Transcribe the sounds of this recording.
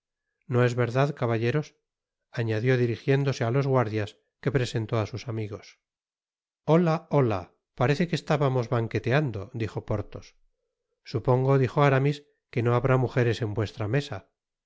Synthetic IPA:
no̞e̞zβe̞ɾðaðkaβaʎe̞ɾo̞s | aɲaðjo̞ðiɾixje̞nd̪o̞se̞alo̞zɣwaɾðjas | ke̞pɾe̞se̞nt̪o̞asusamiɣo̞s | o̞lao̞la̰ | paɾe̞θe̞kest̪aβamo̞zβaŋke̞t̪e̞and̪od̪ixo̞po̞ɾt̪o̞sː | upo̞ŋɡo̞ðixoaɾamis | ke̞no̞aβɾamuxe̞ɾe̞se̞mbwe̞st̪ɾame̞sa

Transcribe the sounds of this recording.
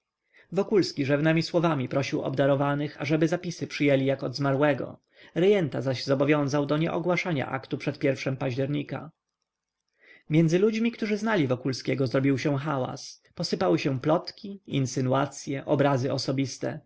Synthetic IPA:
vɔkulskʲiʐɛvnɛmʲiswɔvamʲipɾɔɕiwɔ̰bd̪aɾɔvanɘxa̰ʐɛbɘzapʲisɘpʂɘjɛlʲijakɔd̪zmaɾwɛɡɔ̰ | ɾɛjɛnt̪azaʑzɔbɔvʲjɔ̃w̃zawd̪ɔɲɛ̰ʔɔɡwaʂaɲa̰ʔa̰kt̪upʂɛt̪̚pʲjɛɾfʂɛmpaʑd͡ʑɛɾɲika̰ | mʲjɛnd̪zɘlud͡ʑmʲikt̪uʐɘznalʲivɔkulskʲɛɡɔzɾɔbʲiwɕɛ̃xawa̰s | pɔsɘpawɘɕɛ̃plɔt̪kʲiḭnsɘnuat̪sʲjɛʔɔbɾazɘɔsɔbʲist̪ɛ̰

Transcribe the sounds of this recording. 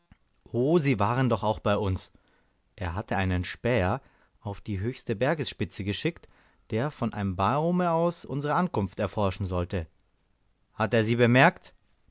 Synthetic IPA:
ʔoːziːvaːʁəndɔχaʊxb̥aɪʊns | ʔeːɐɦatʰəaɪnənʃpɛːɐ | ʔaʊfd̥iːɦøːçstəbɛɐɡəsʃpɪt͡səɡəʃɪkt | d̥eːɐfɔnʔa̰ɪnəmbaːʁoməaʊsʔʊ̰nzəʁəʔankʊnftɛɐfɔɐʃn̩zɔltə | hateːɐziːbəmɛɐkt

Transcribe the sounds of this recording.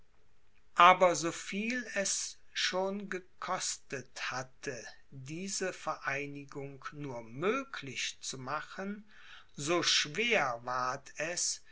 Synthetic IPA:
ʔaːbɐzoːfiːlɛs | ʃoːnɡəkʰɔstəthatʰə | diːzəfɛɐʔaɪnɪɡʊŋknuːɐmøːkʰlɪçt͡sumaχən | zoːʃv̥eːɐvaːɐtʰɛs

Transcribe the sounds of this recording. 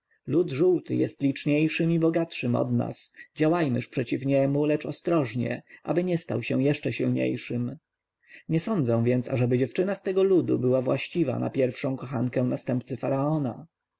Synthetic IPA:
lud̪ʐuwt̪ɘ̰jɛst̪lʲit͡ʂɲejʂɘmibɔɡat̪ʂɘmɔ̰d̪na̰sd͡ʑawajmɘʂpʂɛt͡ɕifɲɛmulɛt͡ʂɔst̪ɾɔʐɲɛ̰ʔa̰bɘɲɛst̪a̰wɕɛ̃jɛʂt͡ʂɛɕilɲḛjʂɘm | ɲɛsɔnd̪zɛ̃w̃vʲjɛnt̪sa̰ʐɛbɘd͡ʑɛft͡ʂɘnast̪ɛɡɔlud̪ṵbɘwavwaɕt͡ɕiva̰na̰pʲjɛɾfʂɔ̃w̃kɔxaŋkɛw̃nast̪ɛmpt̪sɘfaɾaɔna̰

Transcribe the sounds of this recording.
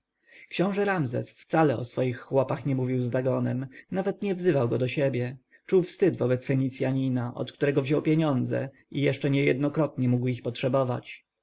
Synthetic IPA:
kɕɔ̃w̃ʐɛɾamzɛ̰sft̪salɛɔsfɔjixːwɔpaxɲɛmuvʲiwzd̪aɡɔnɛmnavɛt̪ɲɛvzɘvawɡɔd̪ɔɕɛbʲjɛ | t͡ʂuwfst̪ɘd̪vɔbɛt̪sfɛɲit̪sʲjaɲinaʔɔ̰t̪kt̪uɾɛɡɔvʑɔwpʲjeɲɔnd̪zɛ̰ | ijɛʂɛɲɛjɛ̰d̪̚nɔkɾɔt̪ɲɛmuɡwixpɔtʂɛbɔva̰t͡ɕ

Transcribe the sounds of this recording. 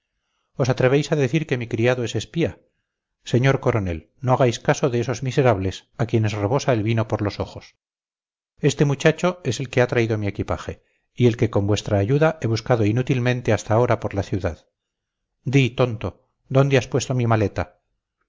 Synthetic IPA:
o̞sat̪ɾe̞βejsaðe̞θiɾke̞mikɾiaðoe̞se̞spia | se̞ɲo̞ɾko̞ɾo̞ne̞̰l | no̞aɣajskaso̞ðe̞eso̞zmise̞ɾaβle̞sakje̞ne̞sreβ̞o̞saelβino̞po̞ɾlo̞so̞xo̞s | e̞st̪e̞mut͡ʃat͡ʃo̞e̞se̞lke̞at̪ɾaiðomiekipa̰χe | ie̞lke̞ko̞mbwe̞st̪ɾaːʝuðaʔe̞β̞uskaðo̞inut̪ilmẽ̞nt̪e̞ast̪aːo̞ɾapo̞ɾlaθjuðað | d̪it̪o̞nt̪o̞ | d̪o̞nd̪easpwest̪o̞mimale̞t̪a

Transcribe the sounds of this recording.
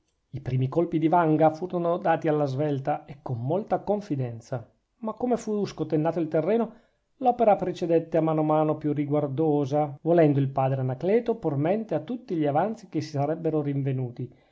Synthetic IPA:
ipɾiːmikolpid̪ivaŋɡafuːɾonod̪aːt̪ialːazvɛlt̪aekːomːolt̪akoɱfid̪ɛnt̪sa | makːomefuskot̪enːaːt̪oilt̪erːɛːno | lɔːpeɾapɾet͡ʃed̪ɛt̪ːeamːanomaːnopjuriɡward̪oːzavolɛnd̪oilpaːd̪ɾeanaklɛːt̪opurmɛnt̪eat̪ːut̪ːiʎiavant̪sik̟esːi̥saɾɛbːeɾoɾiɱvenuːt̪i

